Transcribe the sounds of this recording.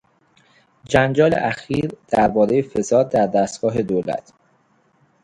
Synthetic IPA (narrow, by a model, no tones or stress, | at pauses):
d͡ʒænd͡ʒɒːlḛʔæxiːɾd̪̥æɾbɒːɾe̞jefe̞sɒːd̪̚d̪æɾd̪æst̪̚ɡ̥ɒːɦe̞d̪oːlæ̰t̪ʰ